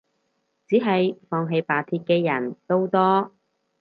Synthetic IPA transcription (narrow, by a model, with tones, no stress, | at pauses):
t͡siː˨˥ɦɐ˨jfɔː˧ŋɦe˧jpaː˨˩t̪ʰiː˧t̚kɛː˧jɐ˨˩nt̪o˥wt̪ɔː˥